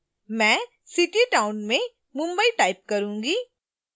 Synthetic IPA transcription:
mɛ̃ː | sɪʈiʈaːʊnmẽ | mʊ̃mbəiʈaːɪp̚kɐɾũːŋɡiː

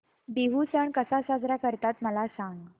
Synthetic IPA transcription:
biɦut͡səɳkəsasad͡zɾakəɾt̪at̪məlasãŋɡ

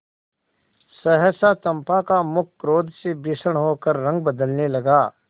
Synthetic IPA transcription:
səɦəsat̪ə̃mpakamʊkʰːɾoːd̪sebisəɳ̃ɦoːkəɾːɐ̃ŋɡ̚bəd̪əlnelɐɡaː

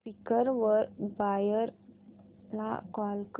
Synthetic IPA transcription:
pikəɾʋəɾbajəɾ | la̰kɔlk

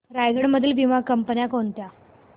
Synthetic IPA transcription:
ɾajɡəɽməd̪ʱːiːlʋimakəmpənjakont̪ja

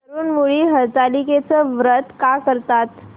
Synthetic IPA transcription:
əɾuːnʋuɭiːɦəɾt̪aliket͡səʋɾət̪kakəɾt̪at̪

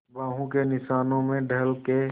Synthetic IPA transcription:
baːɦũkenɪʃaːnõmẽɖʱɐlke

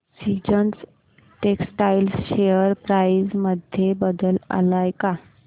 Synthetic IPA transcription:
sid͡ʑəns | ʈeksʈailsɕeəɾpɾajsməd̪ʱjebəd̪əla̰lajka

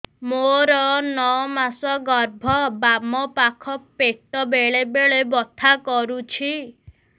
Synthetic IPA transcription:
moɾɔnɔmasɔɡɔɾbʱɔbamɔpakʰɔpeʈɔbeɭebeɭebɔt̪ʰakɔɾut͡ʃʰi

